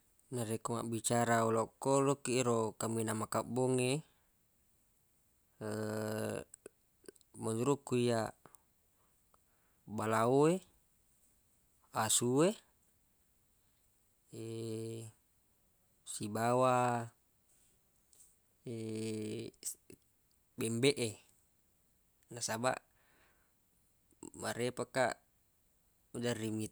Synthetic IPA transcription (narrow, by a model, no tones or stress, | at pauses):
naɾekoma̰ʔbit͡ʃaɾaulɔkːolokiɾokaminamakabɔŋe | maduɾukːuija | balaue | asue | e | sibawa | e | bembeʔe | nasaba̰ʔ | maɾepaka̰ | ud͡ʒarːimit̪